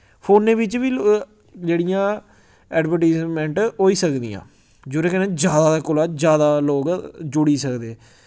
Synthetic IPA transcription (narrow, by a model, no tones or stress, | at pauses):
pʰoːnẽːʋɪt͡ʃʋiː | d͡ʒeːɽijãː | ɛːɖʋəɾʈaɪzmɛ̃ɳʈoːiːsəkd̪ḭːã̰ː | d͡ʒoɾẽːkɛnẽːd͡ʒjaːd̪aːd̪aːkʊlaːd͡ʒjaːd̪aːloːɡd͡ʒʊɽiːsəkd̪eː